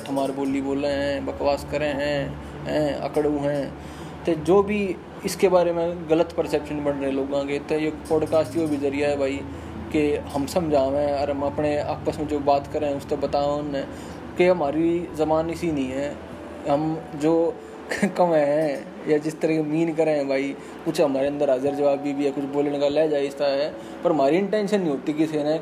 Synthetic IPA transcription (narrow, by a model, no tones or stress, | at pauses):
ʈɦəmaːɾeboːliboːleɦɛ̃ːbɐkʋaːskəɾeɦɛ̃ː | ɦɛ̃ːɐ̰kəɽũɦɛ̃ː | t̪ed͡ʒoːbʱi | ɪskebaːɾemẽɡələt̪pəɾsɛːpʃənbənɾəɦẽloːɡãket̪ejepɔːɖkaːsʈiobʱizɐɾijaɦɛbʱaːi | keɦɐmsɐ̃md͡ʒʱaːʋẽɔːɾɦɐmɐpnea̰ːpəsmẽd͡ʒoːbaːt̪kəɾeɦɛ̃ʊst̪ebɐt̪aːnɛ̃ | keɦɐmaːɾizɐbaːnɪsinɦĩɦɛː | ɦɐmd͡ʒoː | kɐmɛɦɛ̃ | jad͡ʒɪst̪əɾɛɦkemiːnkɐɾeɦɛ̃bʱaːi | kʊt͡ʃʰɦɐmaːɾeɐ̃nd̪əɾaːzəɾd͡ʒɐʋaːbbibʱiɛkʊt͡ʃʰboːlnekalɛːd͡ʒaːeɪst̪aɦɛ | pəɾɦɐm̤aːɾiɪ̃ɳʈɛ̃ːnʃənːĩɦoːt̪ikisenɛ̃